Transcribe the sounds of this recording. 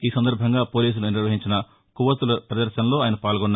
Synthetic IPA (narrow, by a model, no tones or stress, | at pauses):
iːsɐnd̪ɐɾbʱɐŋɡaːpoːliːs̬uluniɾʋɐɦiɲt͡ʃinɐ | kuʋɐt̪ulɐpɾɐd̪ɐɾʃɐnɐlo̞ːaːjɐnɐpaːlɡɔnː